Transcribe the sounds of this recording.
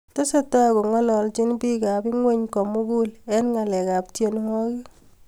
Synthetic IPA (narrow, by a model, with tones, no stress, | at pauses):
te˦se˦˨ta˦ko˨ŋɔ˦lɔ˨lt͡ʃɪ˦nbi˦ka˨bɪ˦ŋwe˦ɲkɔ˨mu˦ɡu˦lɛ˦nŋa˨lɛ˨ka˨ptje˨n˦hɔ˦kɪ˦